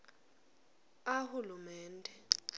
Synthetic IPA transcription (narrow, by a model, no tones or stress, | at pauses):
ahulumɛːndʱɛ